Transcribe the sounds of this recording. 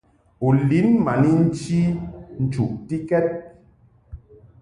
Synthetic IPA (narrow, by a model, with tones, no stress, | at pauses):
u˨li˨˦nma˨ni˦n̩˦t͡ʃi˦n̩˨t͡ʃu˨ʔti˦kɛ˦t̚